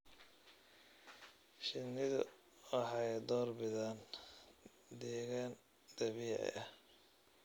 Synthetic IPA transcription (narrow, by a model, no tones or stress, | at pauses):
ʃɪnːɪðʊ̰ | wɑħɑjd̪ɔːrbɪðaːn | d̪ɛːɣaːn | d̪̥ɐβiːʕɪ̰ʔɐh